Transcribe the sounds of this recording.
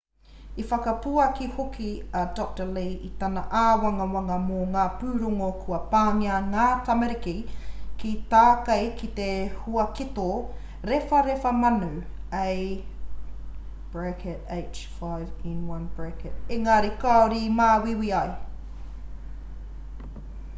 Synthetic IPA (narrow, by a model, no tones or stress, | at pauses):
ifɐkɐpuɐkihokiɐdɔk̚təleːit̪ɐnɐʔaːwɐŋɐwɐŋɐmoŋaːpʉːɾoŋokʰuɐpaːŋiɐŋaːtɐmeɾikikit̪aːkɐjkit̪ehuɐkit̪o | ɾefɐɾefɐmɐnu | ej | b̥ɹɛkɛteɪt͡ʃfajvĩnwɐnb̥ɹɛkɛt̚eŋaːɾikaoɾimaːwiwiɐj